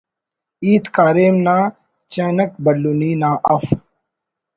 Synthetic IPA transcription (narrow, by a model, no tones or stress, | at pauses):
iːt̪kaːɾeːmnaː | t͡ɕeːnɐk̚bɐlːuniːnaːʔɐf